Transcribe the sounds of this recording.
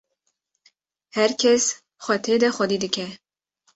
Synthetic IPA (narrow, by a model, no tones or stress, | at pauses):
hæɾkʰɛs | xʷɛt̪ʰed̪ɛxɔd̪iːd̪ɨkʰɛ